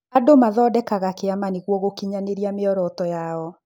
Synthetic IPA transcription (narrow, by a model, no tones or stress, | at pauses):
adomaðɔdɛkaɣakeamaniɣwɔɣokiɲaneɾiameɔɾɔtɔjaɔ